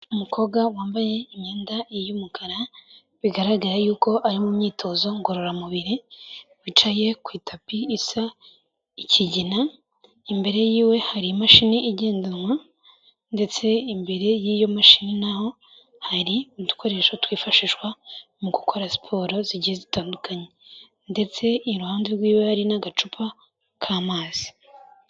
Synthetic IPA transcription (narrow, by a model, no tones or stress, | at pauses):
umukʰo̞ɡwawaːmbaje̞imɲeːndaijumukʰaɾa | βiɡaɾaɡaɾajuːko̞ʔaɾimumɲiːtʰo̞zo̞ŋɡo̞ɾo̞ɾamuβiɾiwit͡ʃaje̞kwiːtʰapiːsa | icʰiɟina | imbe̞ɾe̞jiːwe̞haɾijamaʃiniiɟe̞ːndanŋwa | nde̞t͡se̞imbe̞ɾe̞jiːjomaʃininaho̞ | haɾiitu̥kʰo̞ɾe̞ʃotwiːfaʃiʃwa | muɡukʰo̞ɾasi̥pʰo̞ɾo̞ziɟijezitaːndukʰaɲe | nde̞t͡se̞ɾuhaːndeɾɡwiːwehaɾinaɡat͡ʃupʰa | kʰaːmaːz̥i̥